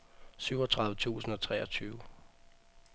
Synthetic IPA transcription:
syʊɒ̽t͡sʰʁɑ̈ðʋət͡sʰṵːsn̩ɒ̽t͡sʰʁɛ̰ːɒ̽t͡sʰyːʊ

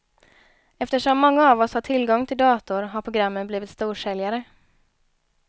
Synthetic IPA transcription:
ɛft̪əʂɔmːɔŋːəaːvɔshaʈʰɪlɡɔŋːt̪ʰɪld̪ɑːt̪ʊɾɦaɾpʰɾʊɡɾamːənbliːvɪt̪st̪uːʂɛljaɾə

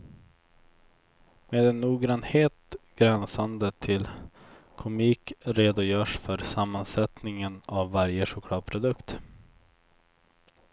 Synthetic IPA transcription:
meːd̪ɛnːuːɡɾanːheːt̪ɡ̥ɾɛnsand̪ət̪ʰɪl | kʰʊmiːkɾeːd̪ʊjœːʂfœɾsamːansɛt̪nɪŋənavːaɾjəʂʊkʰlɑːpʰɾʊd̪ɵkt̪

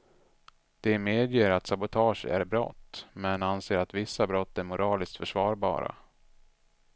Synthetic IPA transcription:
d̪̥ɛmeːd̪jeːɾat̪sabʊt̪ʰɑːʂæ̰ɾbɾɔ̰t̪ːmɛnanseːɾat̪vɪsːabɾɔt̪ːæɾmʊɾʔɑːlɪskt̪fœʂvɑːɾbɑ̰ːɾa̰

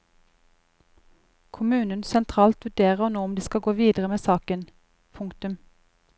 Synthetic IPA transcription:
kʰʊmʉːnənsɛnt̪ʰʁɑːlt̪ʋʉɖeːʁənoːʊmd̪iːskɑɡoːʋiːd̪əʁəmeːsɑːkən | pʰʊŋkt̪ʉm

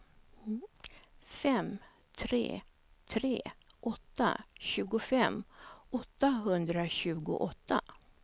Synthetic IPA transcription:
fɛm | t̪ʰɾḛː | t̪ʰɾḛː | ʔɔt̪ːa̰ɕʉ̟ːɡʊfɛmːʔɔt̪ːaɦɵnd̪ɾaɕʉ̟ːɡʊ̰ʔɔt̪ʰːa̰

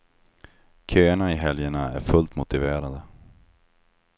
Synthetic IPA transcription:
kʰøːəɳaɪɦɛljəɳaæ̰ɾfɵlt̪mʊt̪ɪveːɾad̪ə

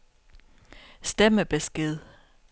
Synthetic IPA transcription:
sd̥eməb̥esɡ̥e̝ð̰ˠ

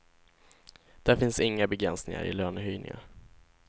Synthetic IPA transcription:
d̪̥æɾfɪnsɪŋːabɛɡɾɛnsnɪŋa̰ɾɪ̰løːnəɦœjnɪ̰ŋa̰

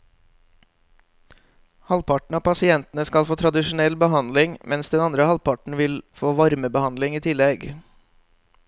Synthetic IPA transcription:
hɑlpʰɑʈɳ̩ɑːpɑsɪɛnt̪n̩əskɑlfoːt̪ʰɾɑd̪ɪʃʊnɛlbəhɑnd̪lɪŋmʔɛnsd̪ɛnɑnd̪ɾəhɑlpʰɑʈɳ̩ʋɪlfoːʋɑɾməbəhɑnd̪lɪŋiːt̪ʰɪlɛɡ

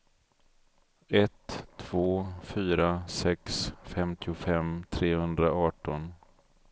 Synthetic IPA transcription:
ɛt̪ʰːv̥oːfyːɾasɛksfɛmt̪ʰɪʊfɛmt̪ʰɾeːhɵnd̪ɾaɑːʈɔn

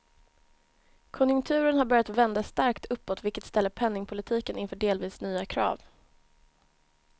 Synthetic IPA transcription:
kʰɔnjɵŋkt̪ʰʉ̟ːɾənhabœɾjat̪vɛnd̪ast̪aɾkt̪ʰɵpːɔt̪vɪlkət̪st̪ɛlːəɾpʰɛnːɪŋpʰʊlɪt̪ʰiːkənɪnfœːɖeːlviːsnyːakʰɾɑ̰ːv

